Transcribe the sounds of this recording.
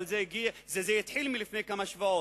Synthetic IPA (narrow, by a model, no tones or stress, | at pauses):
lzɛiɡiazezɛjit̪ħilmilifnejkamaʃvao